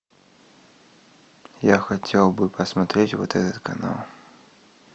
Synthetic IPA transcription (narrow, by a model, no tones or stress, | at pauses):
jaxɐtʲʰelˠbɨpɐsmɐt̪ɾʲetʲvɔ̰t̪ɛt̪ɐt̪kʰɐna̰lˠ